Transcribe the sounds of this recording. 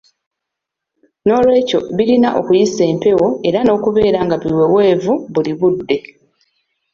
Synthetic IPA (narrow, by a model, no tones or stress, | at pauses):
no̞ːlwe̞ːco̞̰βilinaʔo̞̰kujise̞ːmpe̞wo̞e̞ɾano̞ːkuβe̞ːɾaŋɡaβiwe̞we̞ːvuβuliβudːe̞